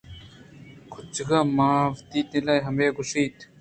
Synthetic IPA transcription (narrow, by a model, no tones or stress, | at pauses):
kʰut͡ɕɡɐmaːvd̪iːt̪nilɐjɦɐmeːɡuʂiːt̪